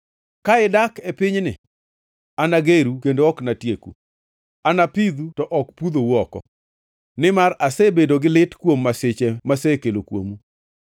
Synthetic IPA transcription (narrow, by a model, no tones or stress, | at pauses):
kaɪdakepɪɲnɪ | anaɡeɾukendoɔknatjekṵ | anapid̪utɔʔɔkpud̪owɔkɔ̰ | nɪmarasɛbedoɡɪlɪtkwomːasɪt͡ʃɛmasɛkelokwo̰mu